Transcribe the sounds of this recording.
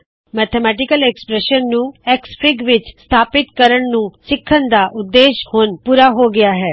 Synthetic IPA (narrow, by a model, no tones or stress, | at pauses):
mɛːt̪ʰɛmɛːʈ̬ɪkəlɛkspɾɛʃənːũːɛːkspʰɪɡʋɪt͡ʃst̪ʰaːpɪt̪kəɾəɳnũːsɪkʰːənd̪aːʔʊd̪ːeːʃhoːnpuːɾaːɦoːɡɪaːɦɛː